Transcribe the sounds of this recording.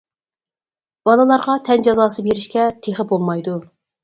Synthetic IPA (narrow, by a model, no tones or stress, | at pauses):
b̥ɑlˠɨlˠɑɾʁɑt̪ʰɛnd͡ʒɑzɑːsɨbeɾɪʃkʲɛt̪ʰeχəbolˠmɑjd̪u